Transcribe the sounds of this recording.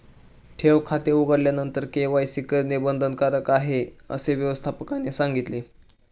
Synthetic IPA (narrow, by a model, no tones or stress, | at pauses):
ʈʰeʋkʰat̪euɡəɽljanənt̪əɾkeʋajsikəɾnibənd̪ʱənkaɾəkaɦeə̰seʋjəʋəst̪ʰapəkanisaŋɡit̪le